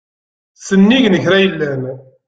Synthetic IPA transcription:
sənːiʝnəçɾæjəlːæn

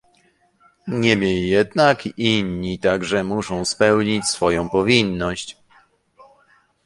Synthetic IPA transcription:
ɲɛmʲjelʲijɛd̪nakiɲːit̪aɡʐɛmuʂɔ̃w̃spɛwɲit͡ɕsfɔjɔ̃w̃pɔvʲinːɔɕt͡ɕ

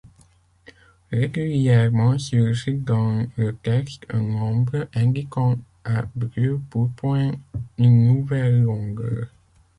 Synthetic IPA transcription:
ʁeɡyljɛʁmɑ̃syʒid̪ɑ̃lət̪ɛstɛ̃nɔ̃bʁəʔɛ̃d̪ikɑ̃ | abʁøpuʁpwɛ̃ynːuvɛlːɔ̃ɡə̰ːʁ

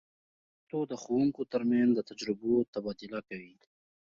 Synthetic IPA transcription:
t̪od̪əxowuŋkot̪əɾmanzd̪ət̪ad͡ʒɾɪbot̪abɑd̪ʊlakawi

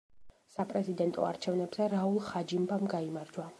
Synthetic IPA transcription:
sapʼɾɛzid̪ɛnt̪ʼɔ̰a̰ɾt͡ʃʰɛvnɛbzɛɾaulˠχad͡ʒimbamɡaimaɾd͡ʒwa

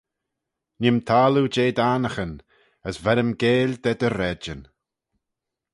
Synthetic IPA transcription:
nɪmt̪ʰaːlud͡ʒeːd̪anəxən | əsvɛɾəmɡeːld̪ɛd̪əɾɛd͡ʒən

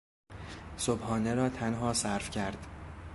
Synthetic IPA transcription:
sobhɒːneɾɒːt̪ʰænɦɒːsæɾfcʰæɾd̪̥

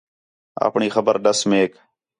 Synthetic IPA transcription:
a̰ːpɳiːxəbəɾɖəsmeːk

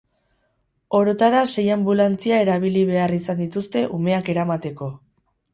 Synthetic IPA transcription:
o̞ɾot̪aɾase̞jambulant͡siae̞ɾaβ̞iliβe̞arisand̪it̪ust̪e̞ʔume̞ake̞ɾamat̪e̞ko̞

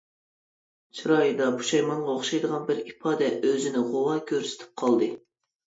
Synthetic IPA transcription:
t͡ʃʰɨɾɑjd̪ɑbʰu̥ʃɑjmɑɴʁɑoχʃɑjd̪əʁɑnbɪɾipʰɑːd̪ɛʔøzɪnɪʁowɑkʲʰøɾsɪ̥t̪ʰɪ̥p̚qʰɑlˠd̪ɨ

